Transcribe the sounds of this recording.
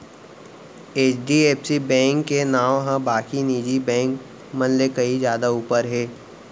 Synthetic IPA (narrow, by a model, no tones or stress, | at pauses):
eːt͡ʃɖieːpsibɛ̃ːŋkːenaːwɦãbaːkiniːd͡ʒibɛ̃ːŋk | mɐnlekɐizjaːd̪auːpəɾɦɛː